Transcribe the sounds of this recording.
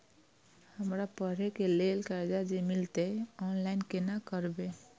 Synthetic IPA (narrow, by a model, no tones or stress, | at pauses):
həmɾapəɾekelelkaɾd͡ʒad͡ʒemilt̪eɔnlaɪnkenakəɾbe